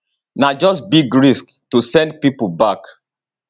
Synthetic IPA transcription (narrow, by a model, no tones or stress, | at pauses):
nad͡ʒɔsbiɡɹisk | tusɛ̃nd̚pipubak